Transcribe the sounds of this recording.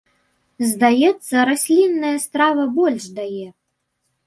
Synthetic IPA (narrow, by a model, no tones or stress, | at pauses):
zd̪ajɛt̪sːɐɾasʲlʲinːɐjɐst̪ɾavɐbɔlʲʂd̪ajɛ